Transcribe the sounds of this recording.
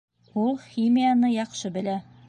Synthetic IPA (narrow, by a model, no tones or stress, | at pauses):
ulˠχimʲijanɤjɒqʃɤbɘ̆læ